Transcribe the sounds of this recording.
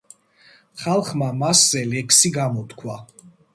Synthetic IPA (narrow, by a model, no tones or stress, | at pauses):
χalˠχmamaszɛlɛksiɡamɔt̪kʰwa